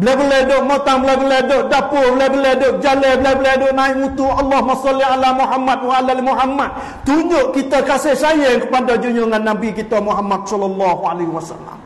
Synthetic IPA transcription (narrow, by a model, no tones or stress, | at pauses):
bəlabəledoʔmot̪aŋblabəledoʔdapʊblabəledoʔd͡ʒalebəlebəledoʔnaɪʔmut̪uɑlːɑhmasɔlialamuɦamːat̪̚waalalimuɦamat̪̚ | t̪uɲd͡ʒʊʔkit̪əkasɪhsajəŋkəpandɔd͡ʒuɲʊŋanːabikit̪əmuɦamat̪̚sɔlɔlːɑhualehiwasa̰la̰m